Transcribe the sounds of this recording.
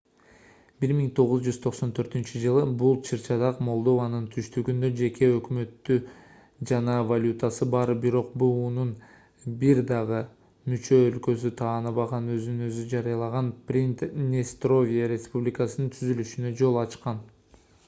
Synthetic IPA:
b̥iɾmiŋt̪ʰo̞ʁuzd͡ʒyz̥t̪ʰo̞qso̞nt̪ʰø̞ɾt̪ynt͡ʃid͡ʒɯlˠɯbulˠt͡ʃʰɯɾt͡ʃɑd̪ɑqmo̞lˠd̪o̞vanɯnt̪ʰyʃt̪yɡynd̪ø̞d͡ʒe̞kʰe̞økmø̞t̪ːy | d͡ʒɑnɑvalʲut̪asɯbɑɾbiɾo̞q̚buːnun | biɾd̪ɑʁɯ | myt͡ʃø̞ːlkø̞s̬yt̪ʰɑːnɯβɑʁɑnø̞znnø̞zyd͡ʒɑɾɯjɑlˠɑʁɑnprʲint̪nʲest̪ro̞vʲiaɾʲe̞spublʲikasɯnɯnt̪ʰyzylyʃynø̞d͡ʒo̞lˠɑt͡ʃqɑn

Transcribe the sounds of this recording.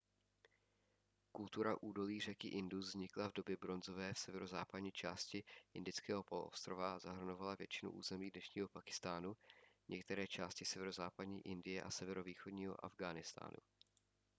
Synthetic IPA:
kult̪uɾaʔuːdo̞liːr̝ɛkɪʔɪnduzɲɪklavdo̞bjɛbɾo̞nzo̞vɛːfsɛvɛɾozaːpadɲiːt͡ʃaːscɪʔɪndɪt͡skɛːɦo̞pol̰ʔo̰st̪ɾo̞vazaɦr̩no̞valavjɛt͡ʃɪnṵʔṵːzɛmiːdnɛʃɲiːɦo̞pakɪ̥st̪aːnuɲʔɛkt̪ɛɾɛːt͡ʃaːscɪsɛvɛɾozaːpadɲḭːʔɪndɪjɛʔa̰sɛvɛɾo̞viːxodɲiːɦo̞̰ʔa̰vɡaːnɪst̪a̰ːnʔṵ

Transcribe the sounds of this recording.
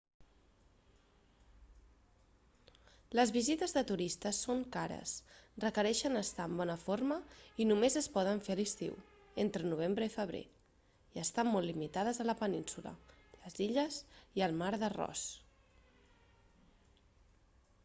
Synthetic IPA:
ləzβizit̪əzðət̪uɾist̪əsoŋkaɾə̰srəkəɾɛʃənəst̪aːmbɔnəfoɾməinumezəspɔð̞əɱfeəlist̪ḭw | ent̪ɾənuβ̞embɾəifəβ̞ɾḛ | iəst̪ammɔlːimit̪að̞əzələpəninsulə̰ləziʎəziəlˠmaɾðərɔ̰s

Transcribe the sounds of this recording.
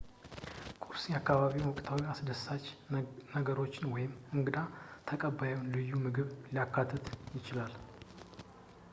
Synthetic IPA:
kʼuɾsɨnjakːaβaβiwnwɔkʼt̪ʰawiasd̪əsːat͡ʃːnəɡəɾo̞t͡ʃːɪnwɔjɪmɨŋɡɨd̪at̪ʰəkʼəbːajɛwnlɨjːumɨɡɨβlijakʰːat̪ʰːət̪jɪt͡ʃɪlal

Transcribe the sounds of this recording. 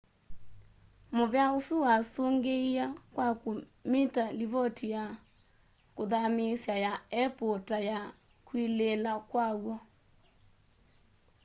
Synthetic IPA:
moβjaosuwasoŋɡeiakwako | mitaliβɔtʰija | koðamesjajaɛpotaja | kwilelakwawɔ

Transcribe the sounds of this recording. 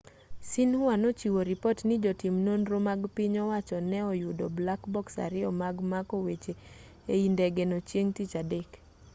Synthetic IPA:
sinhuanot͡ʃiwoɾipotnɪd͡ʒɔtimnonɾomaɡpɪɲɔwat͡ʃɔnɛɔjʊdɔblakbɔksa̰ɾɪɔmaɡmakɔwet͡ʃe | eindɛɡenot͡ʃjeŋtit͡ʃadek

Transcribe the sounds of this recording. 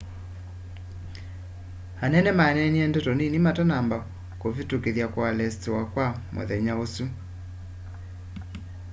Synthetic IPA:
anɛnɛmaɛnɛniɛndɔtɔninimatanamba | kovitukeðjakwalɛstewakwamʔo̰ðɛɲaosu

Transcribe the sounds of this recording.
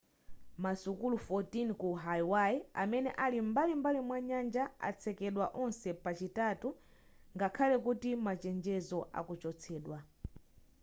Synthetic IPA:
masukulufɔtinkuɦajwaiamɛnɛʔalimbalimbalimwaɲand͡ʒaa̰t͡sʰɛkɛɗwaʔɔnsɛpat͡ʃitatu | ŋɡakʰalɛkutimat͡ʃɛnd͡ʒɛzɔʔa̰kut͡ʃɔt͡sʰɛːɗwa

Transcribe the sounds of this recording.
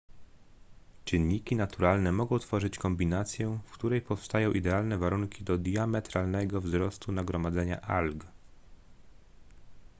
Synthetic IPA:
t͡ɕɘnɲːikʲinat̪uɾalnɛmɔɡɔ̃w̃t̪fɔʐɘt͡ɕkɔmbʲinat̪sʲjɛfkt̪uɾɛjpɔfst̪ajɔ̃w̃ʔid̪ɛalnɛvaɾuŋkʲid̪ɔd̪jamɛt̪ɾalnɛɡɔvzɾɔst̪unaɡɾɔmad̪zɛɲa̰ʔalɡ

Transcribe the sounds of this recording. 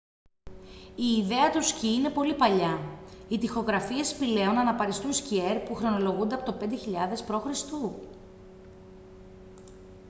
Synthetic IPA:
iːðe̞ɐt̪usciine̞po̞lipɐʎɐit̪ixo̞ɣɾɐfie̞spile̞onɐnɐpɐɾist̪unscieɾpuxɾo̞no̞lo̞ɣund̪eɐpo̞t̪ope̞nd̪eçiʎɐðe̞spɾo̞xɾist̪u

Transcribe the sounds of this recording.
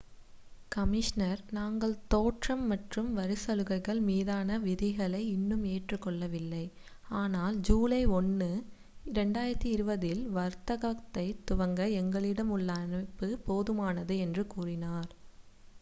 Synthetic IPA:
kɐmɪʂnɐɾnaːŋɡɐɭt̪oːʈrɐmːɐʈrɯmʋɐɾɯsɐlɯɣɐɪɣɐɭmiːðaːnɐʋɪðɪɣɐɭɐɪɪnːɯmeːʈrɯkːɔɭːɐʋɪlːɐɪ | aːnaːld͡ʒuːlɐɪɔnːɯ | ɪɾɛɳɖaːjɪɾɐt̪ːiɪɾɯbɐðɪlʋɐɾt̪ɐɣaːkt̪ɐɪt̪ʊʋɐŋɡɐɛŋɡɐɭɪɽɐmʊɭːɐnɐpːɯpoːðɯmaːnɐðɯɛndrɯkuːrɪnaːɾ

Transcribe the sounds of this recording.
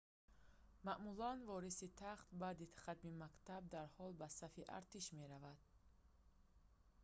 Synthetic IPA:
maʔmulanvɔɾisit̪ʰaχt̪bad̪it̪χat̪mimakt̪ab̚d̪aɾhɔlbasafiʔa̰ɾt̪iʃme̞ɾavad̪̥

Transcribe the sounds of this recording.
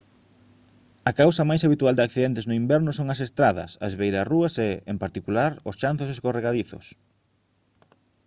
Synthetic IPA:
ɐkawsɐmajsaβit̪uald̪ɪakθiðent̪eznʊimbɛɾnʊsoŋɐsest̪ɾaðɐ̰sɐezβejɾɐsruɐseempaɾt̪ikulaɾʊst͡ʃan̟θos̬esɣoreɣaðiθʊ̰s

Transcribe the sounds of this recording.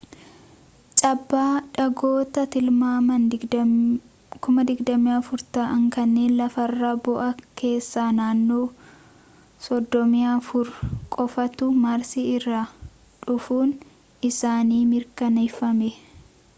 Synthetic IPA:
t͡ʃʼɐbːaːᶑɐɡo̞ːt̪ɐt̪ɪlmaːmɐn | kʊmɐd̪ɪɡd̪ɐmɪjaːfʊɾt̪aːʔɐŋkɐnːeːnlɐfɐrːaːbɔʔɐkʰe̞ːsːaːnaːnːo̞ː | sɔd̪ːɔmɪjafʊɾkʼɔfɐt̪ʊmaːɾsɪɪrːa | ᶑʊfuːn | ɪsaːniːmɪɾkɐnɛfɐmɛ

